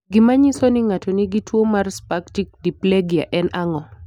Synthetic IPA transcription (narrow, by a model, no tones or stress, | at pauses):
ɡɪmaɲisonɪŋatoniɡitwomarspaktik̚dipleɡia̰ʔɛnaŋɔ